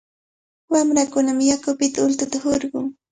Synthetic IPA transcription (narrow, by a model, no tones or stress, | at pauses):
wamɾakʊnamjakʊpɪt̪aʊlt̪ʊt̪ahoɾɢʊŋ